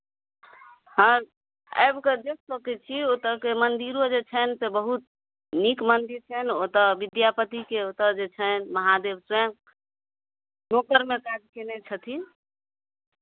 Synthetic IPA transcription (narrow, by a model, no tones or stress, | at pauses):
ɦə̃ | ə̰jbked͡ʒessokɛt͡ʃʰiot̪əkemənd̪iɾod͡ʒet͡ʃʰənt̪ebəɦut̪̚ | nikmənd̪iɾt͡ʃʰənot̪əʋid̪japət̪ikeot̪əd͡ʒet͡ʃʰənməɦad̪ebsɛŋ | nokəɾmekad͡ʒkenet͡ʃʰət̪ʰi